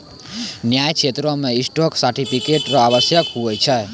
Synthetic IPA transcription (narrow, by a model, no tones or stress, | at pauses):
njajkʰet̪ɾomeisʈoksaɾʈipʰikeʈɾɔaβəsjəkɦuət͡ʃʰə